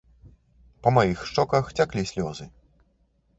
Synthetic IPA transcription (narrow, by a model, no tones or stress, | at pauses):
pɐmajixʂt͡ʂɔkɐxt͡sʲaklʲisʲlʲɔzɨ